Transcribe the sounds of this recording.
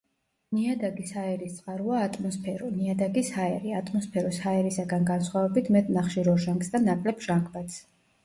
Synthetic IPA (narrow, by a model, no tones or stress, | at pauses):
niad̪aɡishaɛɾist̪sʼqʼaɾuaːt̪ʼmɔspʰɛɾɔniad̪aɡishaɛɾiat̪ʼmɔspʰɛɾushaɛɾisaɡanɡansχwavɛbit̪ʰmɛt̪ʼnaχʃiɾɔʒaŋksd̪anakʼlɛpʰʒ̥aŋkʰʼbat̪s